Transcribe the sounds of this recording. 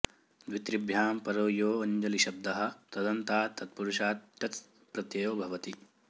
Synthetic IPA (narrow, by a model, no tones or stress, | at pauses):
d̪ʋit̪ɾibʱjaːmpɐɾoːjoːɐɲd͡ʒɐliʃɐb̚d̪ɐɦɐ̆t̪ɐd̪ɐnt̪aːt̪ːɐt̪̚puɾuʃaːt̪̚ʈɐt͡s | pɾɐt̪jɐjoːbʱɐʋɐt̪i